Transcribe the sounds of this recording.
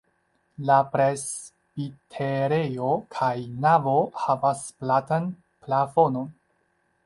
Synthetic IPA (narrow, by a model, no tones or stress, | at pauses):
lapɾes | pitʰeɾejokʰajnavohavasplatan | plafo̞no̞n